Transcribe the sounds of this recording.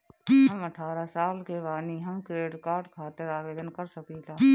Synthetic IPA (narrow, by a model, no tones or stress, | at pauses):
ɦəməʈʰaːɾasaːlkeʋaːniɦɐ̃mkɾeːɖkaːɾɖkʰaːt̪əɾaːʋeːd̪ənkəɾsəkit̪ʰaː